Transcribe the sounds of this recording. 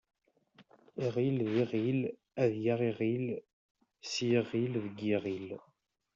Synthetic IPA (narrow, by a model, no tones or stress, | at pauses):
iʁilðiʁil | æðjaʁiʁil | sjəʁilðəɡiʁil